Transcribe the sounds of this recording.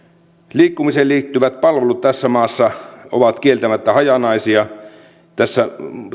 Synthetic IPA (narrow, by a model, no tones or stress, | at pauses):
liːkːumiseːliːt̪ːyʋæt̪̚pɑlʋelut̪t̪æsːæmɑːsːɑo̰ʋɑt̪kielt̪æmæt̪ːæhɑjɑnɑisiɑ | t̪æsːæ